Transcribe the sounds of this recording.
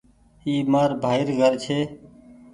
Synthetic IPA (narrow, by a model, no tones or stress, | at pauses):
iːmaːɾbʱaːɪɾɡʱəɾt͡ʃʰeː